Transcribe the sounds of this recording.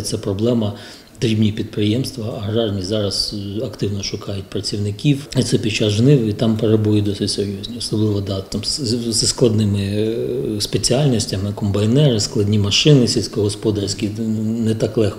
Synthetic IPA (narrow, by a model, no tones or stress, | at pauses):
t̪sɛpɾɔblˠɛmɐ | d̪ɾʲibnʲipʲid̪̚pɾɪjɛmst̪ʋɐɐɦɾɑrnʲizɑɾɐzɐkt̪ɪwnɔʃʊkɑjʊt̚ʲpɾɐt͡sʲiwnɪkʲiwit̪sɛpʲit͡ʃaʒnɪʋit̪ɑmpeɾebujɪd̪ɔsɪtʲseɾʲjɔzʲnʲiɔsɔblˠɪʋɔd̪ɑt̪ɑmszsklˠɐd̪nɪmɪ | spet͡sʲiɑlʲnʲɔsʲtʲɐmɪkɔmbɐjnɛɾɪsklˠɐdʲnʲimɐʃɪnɪsʲilʲsʲkɔɦɔspɔd̪ɐrsʲkʲinɛt̪ɑklˠɛxk